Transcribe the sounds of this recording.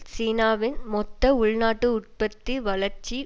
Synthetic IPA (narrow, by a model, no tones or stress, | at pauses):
siːnaːʋɪnmɔt̪ːɐʊɭnaːʈːɯʊʈ̚pɐt̪ːiʋɐɭɐɾt͡ʃi